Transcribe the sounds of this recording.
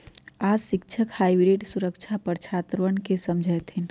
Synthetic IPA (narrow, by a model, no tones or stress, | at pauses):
aːd͡ʒʃɪk̚t͡ʃʰəkhaːibɾeːɖsʊɾəkt͡ʃʰapəɾt͡ʃʰaːt̪ɾəʋənkesəmd͡ʒʱət̪ʰɪn